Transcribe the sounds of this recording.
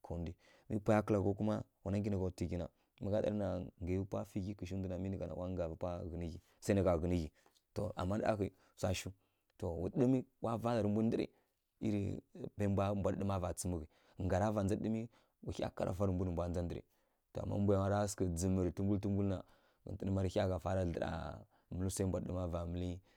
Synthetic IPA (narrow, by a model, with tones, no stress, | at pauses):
kʰo˨ndi˦ | mi˦pʷa˦ja˦kə˦la˨ɡo˦ku˦ma˦wu˨na˦ɡi˦na˨ɡa˨ti˨ɡʲi˨na̰˨ | ma˦ɡa˦da̰˦ɾna˨ŋɡa˨u˦pʷa˦fi˦ɡi˦kə˨ʃi˦də˦na˨mi˦nə˨ɡa˨na̰˨wa˦ŋɡa˨vi˦pʷa˦ɣə˨ni˦ɡi˨ | sa˦na˨ɡa˨ɣə˨ni˦ɣi˨ | to˨ʔa̰˨mːa˦ɗa̰˦ɣi˨ | sʷa˦ʃu˦ | to˨wu˨˦ɗi˦mi˦wa˦va˦la˨ɾə˨mbu˦n˦də˦ɾḭ˨ | ḭ˦ɾḭ˨ba˦bʷa˦mbʷa˨dɗə˦ma˦va˨t͡sə˦mə˦ɣi˨ | ŋɡa˨ɾa˦va˨nd͡za˦ɗə˦mi˦ | wu˨˦a̰˦ka˦ɾʔa̰˨fa˦ɾə˨mbu˦nə˨mbʷa˦˨nd͡za˦n˦də˦ɾḭ˨ | to˨a̰˨mːa̰˦m˦bu˦ja˨a˨˦ɾa˦skə˨d͡zə˨mə˨ɾtu˦m˦bu˦lt̬u˦mbu˦lna̰˨ | ɡə̰˨tə˦nə˦ma˦ɾʲa˦ɣa˨fa˦ɾa˦ɮə˨ɾa̰˨ | mə˨li˦sa˦i˦m˦bʷa˨dɗə˦ma˦va˨mə˦li˦